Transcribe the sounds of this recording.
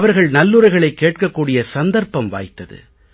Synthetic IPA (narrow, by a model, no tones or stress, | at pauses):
ɐʋɐɾɣɐɭnɐlːɯɾɐɪɣɐɭɐɪkːeːʈ̚kɐkːuːɽɪjɐsɐnd̪ɐɾpɐmʋa̰ːjt̪ːɐðɯ̰